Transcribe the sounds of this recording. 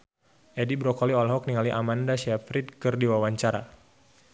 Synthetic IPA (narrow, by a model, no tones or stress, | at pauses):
ʔɛdibɾɔkɔliɔlɦɔk̚niŋaliʔamandaʃafɾit̪̚kɨrdiwawaɲt͡ʃaɾa̰